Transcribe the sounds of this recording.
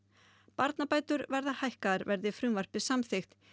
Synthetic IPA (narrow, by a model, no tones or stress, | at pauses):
paɾt̪napaːjt̪ʏɾvɛɾðahajhkaðaɾvɛɾðɪfɾʏmvar̥pɪsamθɪxt̪